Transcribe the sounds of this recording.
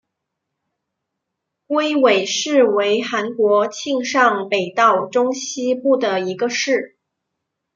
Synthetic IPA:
kwe˥ɪwe˨˩ɪʂɻ̩˥˩we˧˥ɪxa˧˥nkwɔ˧˥t͡ɕʰi˥˧ŋʂɑ˥˩ŋpe˨˩ɪt̪ɑ˥˩ʊʈ͡ʂʊ˥ŋɕi˥pu˥˩d̪ə˩i˧˥ɡə˧ʂɻ̩˥˩

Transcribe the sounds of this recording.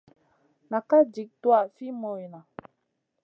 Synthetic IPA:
na˨ka˦d͡ʒi˨k̚twa˦˨fi˦mo˨i˨na˨

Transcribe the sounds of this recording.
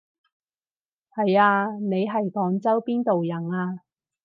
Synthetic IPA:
hɐ˨jaː˧ne˨˧jɦɐ˨jkɔː˨˥ŋt͡sɐ˥wpiː˥nt̪o˨wjɐ˨˩naː˧

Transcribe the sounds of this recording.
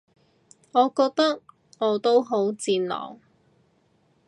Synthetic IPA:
ŋɔː˨˧kɔː˧k̚t̪ɐ˥k̚ | ŋɔː˨˧t̪o˥wɦo˨˥wt͡siː˧nlɔ̰ː˨˩w

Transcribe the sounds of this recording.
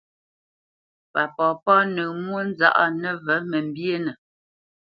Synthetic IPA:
pa˨pɔ˨pɔ˦nə˨mwo˦n˦za̰˦ʔa̰˦nə˦və˨˦mə˨m̩˨bje˦nə˨

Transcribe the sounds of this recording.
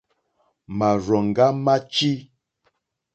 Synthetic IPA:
ma˨ɾɔ˨ŋ̩˨ɡa˦ma˦t͡ʃi˦

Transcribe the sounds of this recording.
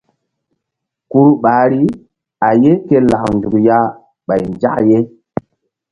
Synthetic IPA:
ku˦ɾɓaː˨˦ɾi˦ | a˨je˦ke˦la˨knd͡ʒu˨kja˦ | ɓa˨jnd͡ʒa˦kje˦

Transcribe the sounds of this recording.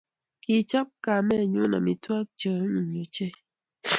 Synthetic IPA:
ki˨t͡ʃa˦p̚ka˨mɛ˦˨ɲu˦na̰˨mi˨twa˦k̚t͡ʃə˨˦mi˨ɲu˨t͡ʃe˦

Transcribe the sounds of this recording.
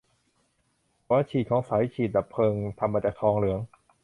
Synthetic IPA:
waː˥˩t͡ɕʰiː˨˩t̪̚kʰɔː˩˦ŋsaː˩˦jt͡ɕʰiː˨˩t̪̚daː˨˩pʰɤː˧ŋt̪ʰa˧mːaː˧˩t͡ɕaː˨˩k̚t̪ʰɔː˧ŋlɯ˩˦əŋ

